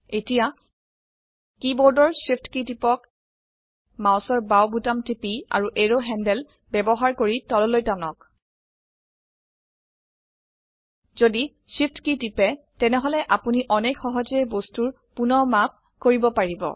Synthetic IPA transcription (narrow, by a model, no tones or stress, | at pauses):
etija | kibɔɹdɔɹsipʰtkitipɔk | maʊsɔɹbawbutamtipia̰ɹuʔeɹoɦɛndɛl | bɛbɔɦaɹkoɹitɔlɔlojtanɔk | zodi | sip̚ʰtkitipɛ | tɛnɛɦɔlɛʔapuniʔɔnexɔɦɔzɔɛbostuɹ | punɔmap̚ | koɹibɔpaɹibɔ̰